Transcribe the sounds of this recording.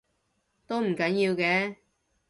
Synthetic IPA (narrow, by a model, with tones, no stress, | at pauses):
t̪o˥wm̩˨˩kɐ˨˥njiː˧wkɛː˨˥